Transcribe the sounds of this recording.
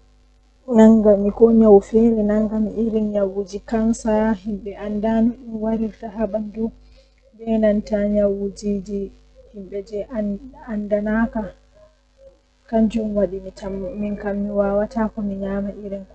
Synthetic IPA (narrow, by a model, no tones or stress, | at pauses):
naŋɡamikɔɲawfɛɾɛnaŋɡamiʔiɾinɲawud͡ʒikansahimɓɛʔandanɔɗinwaɾiɾtaɦaɓandɔ | bɛnantaɲawud͡ʒid͡ʒi | himbɛd͡ʒɛʔandanaka | kaɲd͡ʒumwaɗimitaminkamːiwawatakɔmiɲaːmaʔiɾɛn